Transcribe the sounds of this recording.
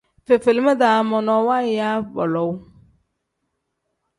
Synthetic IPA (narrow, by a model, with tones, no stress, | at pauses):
fe˨fɪ˨lmɛ˦d̪a˨˦mɔ˨nɔ˨wa˦˨ja˦bɔ̰˨lɔ˨˦w